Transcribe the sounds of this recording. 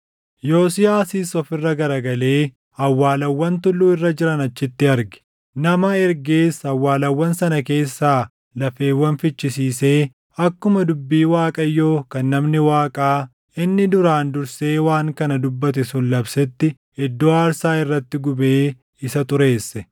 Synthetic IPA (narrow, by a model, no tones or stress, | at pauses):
jo̞ːsɪjaːsiːsɔfɪrːɐɡɐɾɐɡɐle̞ː | ɐwːaːlɐwːɐnt̪ʊlːuːɪrːɐd͡ʒɪɾɐnɐt͡ʃːɪt̪ːɪɐɾɡɛ̥ | nɐmɐɛɾɡeːsɐwːaːlɐwːɐnsɐnɐke̞ːsːaː | lɐfe̞ːwːɐnfɪt͡ʃːɪsiːse̞ː | ɐkːʊmɐd̪ʊbːiːwaːkʼɐjːo̞ːkɐnːɐmnɪwaːkʼaː | ɪnːɪd̪ʊɾaːnd̪ʊɾse̞ːwaːŋkɐnɐd̪ʊbːɐt̪ɛsʊnlɐbsɛt̪ːɪ | hɛd̪ːoːaːɾsaːɪrːɐt̪ːɪɡʊbe̞ː | ɪsɐt̪ʊɾe̞ːsːɛ